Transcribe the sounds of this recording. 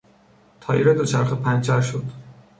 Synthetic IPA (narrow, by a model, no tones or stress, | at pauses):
t̪ʰɒːjiɾed̪ot͡ʃʰæɾxepʰænt͡ʃʰæɾʃod̪̥